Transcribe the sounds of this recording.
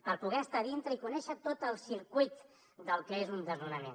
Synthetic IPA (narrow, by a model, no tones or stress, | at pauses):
pəɾpuɣɛəst̪aðint̪ɾəikunɛʃət̪ot̪əlˠsiɾkujt̪ | d̪əlˠkɛezund̪əznunəmḛn